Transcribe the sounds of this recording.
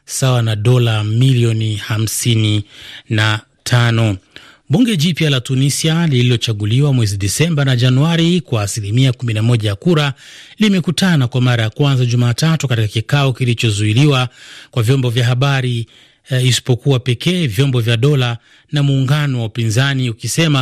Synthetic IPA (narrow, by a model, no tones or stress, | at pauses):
sawanaɗɔlamiliɔniham̩sinina | tʰanɔ | ɓuŋɡɛʄipjalatunisialililɔt͡ʃaɠuliwamwɛziɗɛsɛmbanaʄanuaɾikwaːsilimiakuminamɔʄajakuɾalimɛkutanakwamaɾajakwanzaʄumaːtatukatikakikaɔkilit͡ʃɔzuiliwakwavjɔmbɔvjaɦaɓaɾi | isi̥pɔkuwapɛkʰɛːvjɔmbɔvjaɗɔla | namuːŋɡanɔwaupinzaniukisɛma